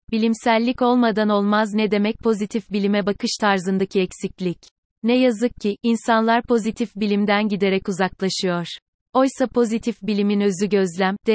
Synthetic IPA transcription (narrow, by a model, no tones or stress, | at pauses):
bilʲimsælʲːico̞lˠmad̪ano̞lˠmaznɛd̪e̞mɛc̚pʰo̞zit̪ʰifbilʲimɛbakʰɯʃt̪ʰaɾzɯnd̪acʰiɛcsiclʲic | nɛjazɯk̚cʰːiʔinsanlˠaɾpʰo̞zit̪ʰifbilʲimd̪ænɟid̪e̞ɾɛcuzaklˠaʃɯjo̞ɾ̥ | o̞jsapʰo̞zit̪ʰifbilʲiminø̞zyɟø̞zlʲæmd̪̥ɛ